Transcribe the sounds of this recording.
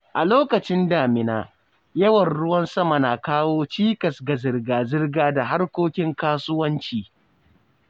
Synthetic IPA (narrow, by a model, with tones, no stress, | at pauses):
ʔa˨loː˦kɐ˨t͡ʃɪ˦ndaː˨mɪ˨naː˦ | jɐ˦wɐ˨nɽʊ˦wɐ˦nsɐ˦ma˨na˨kaː˦woː˦t͡ʃiː˦kɐ˨sɡa˨zɪ˨rɡaː˨zɪ˦rɡaː˦da˨ɦa˦rkʷoː˦kʲɪ˦ŋkaː˦sʊ˦wɐ˦nt͡ʃiː˨